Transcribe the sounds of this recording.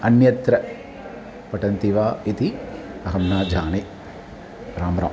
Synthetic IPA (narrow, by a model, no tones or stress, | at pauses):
ɐnjɐt̪ɾɐ | pɐʈɐnt̪iʋaːit̪iɐɦɐmnaːd͡ʒaːni | ɾaːmɾa̰ː